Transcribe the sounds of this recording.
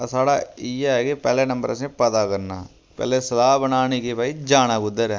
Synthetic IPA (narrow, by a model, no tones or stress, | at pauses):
saːɽaːiaɛːkepɛːleːnə̃mbə̰ɾəsẽpət̪aːkəɾna̰ː | pɛ̰ːleːsəlaːbənaːniːkeːpaːiːd͡ʒaːnãːɡʊd̪əɾɛː